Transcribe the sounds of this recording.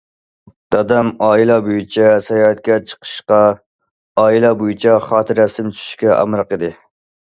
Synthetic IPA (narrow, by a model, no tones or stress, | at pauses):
d̪̥ɑd̪ɛmɑːilˠɛbojit͡ʃʰɛsɛjɑːɛt̪kʲɛt͡ʃʰə̥qʰə̥ʃqɑ | ɑːilˠɛbojit͡ʃʰɛχɑːt̪ʰɨɾɛsɪmt͡ʃʰy̥ʃy̥ʃkʲɛʔɑ̰mɾɨqəd̪ɨ